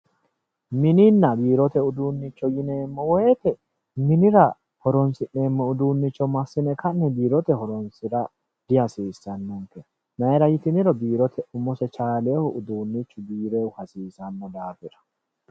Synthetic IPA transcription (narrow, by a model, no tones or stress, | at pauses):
mɪnɪnːɐbiːɾɔt̪ɛʊd̪uːnːɪt͡ʃːɔjɪneːmːɔwɔjɛt̪ɛ | mɪnɪɾɐ | hɔɾɔnsɪʔeːmːɛʊd̪uːnːɪt͡ʃːɔmɐsːɪnɛkʰɐnːɛbiːɾɔt̪ɛhɔɾɔnsɪɾɐ | d̪̥ɪhɐsiːsːɐnːɔŋkɛɐ | nɐɾɐjɪt̪ɪnɪɾɔbiːɾɔt̪ʰɛʊmːɔsɛt͡ʃaːleːhʊʔʊd̪uːnːɪt͡ʃːʊbiːɾeʊhɐsiːsɐnːɔd̪aːfɪɾɐ̥